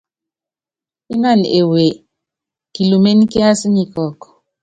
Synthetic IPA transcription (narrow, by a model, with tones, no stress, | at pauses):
i˦na˦˨ne˨we˨ | ki˨lu˨me˦n˦ki˦a˦sɲi˨kɔ˨k